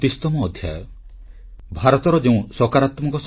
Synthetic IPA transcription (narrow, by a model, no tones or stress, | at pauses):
t̪ist̪ɔmɔːd̪ʱja̰jɔ | bʱaɾɔt̪ɔɾɔd͡ʒeũsɔkaɾat̪mɔŋkɔs